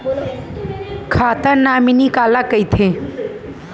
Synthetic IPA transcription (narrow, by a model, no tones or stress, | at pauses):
kʰaːt̪əɾnaminikalakəjt̪ʰẽ